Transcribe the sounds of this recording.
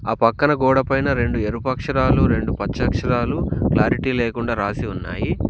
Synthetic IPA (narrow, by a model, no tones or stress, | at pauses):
aːpɐkːɐnɐɡɔːɽɐpɐjnɐɾe̞ɳɖueɾupɐkʂɐɾaːluɾe̞ɳɖupɐt͡ʃt͡ʃːɐkʂɐɾaːluklaːɾiʈiːleːkuɳɖaːɾaːsiunːa̰ːji